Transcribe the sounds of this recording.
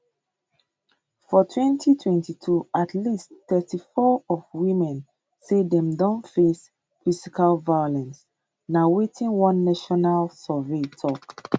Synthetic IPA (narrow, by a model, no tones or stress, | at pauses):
fɔtʰwɛ̃ntʰitʰwɛ̃ntitʰuatlistθɛtifɔɔvwĩmɛ̃n | sedɛ̃mdɔ̃ntfes | fisikalvajɔlɛ̃ns | nawetʰĩnwɔ̃nːaʃɔnalsɔvetʰɔk